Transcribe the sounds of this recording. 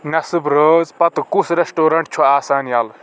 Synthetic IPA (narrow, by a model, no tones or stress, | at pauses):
nɐsɨbɾoːzpɐt̪ɨkusɾesʈoːɾɐɳʈ̚t͡ʃʰuaːsaːnjɐl